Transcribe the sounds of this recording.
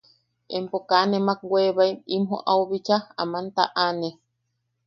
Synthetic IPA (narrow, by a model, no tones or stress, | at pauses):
empokanemak̚weβajimɦo̰ʔauβit͡ʃaa̰mant̪a̰ʔane